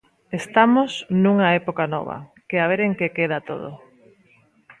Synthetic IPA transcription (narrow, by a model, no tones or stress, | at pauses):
est̪amosnuŋaepokanɔ̰β̞ɐ̰keaβ̞eɾeŋkekeðat̪o̰ð̞o̰